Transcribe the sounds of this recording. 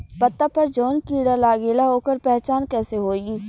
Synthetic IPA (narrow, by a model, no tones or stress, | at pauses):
pɐt̪ːapɐɾd͡ʒoːnkiːɽalaːɡeːlaɦoːkəɾpɛɦt͡ʃaːnkɛːseɦoːii